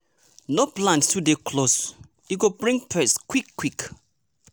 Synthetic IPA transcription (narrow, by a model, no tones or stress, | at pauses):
noplãnstudekʰlos | juɡobɹĩŋpʰɛskwikːwik